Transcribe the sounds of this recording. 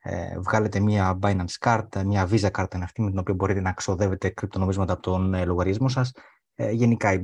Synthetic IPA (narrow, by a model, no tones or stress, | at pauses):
ḛvɣɐle̞t̪e̞mɐbɐjnɐnskɐɾt̪mɲɐvizɐkɐɾt̪ɐnɐft̪imet̪ino̞pio̞bo̞ɾit̪e̞nɐkso̞ðe̞ve̞t̪e̞kɾip̚t̪o̞no̞mizmɐt̪ɐːpo̞t̪onloɣɐɾiɐzmo̞sɐs | ʝe̞nikɐi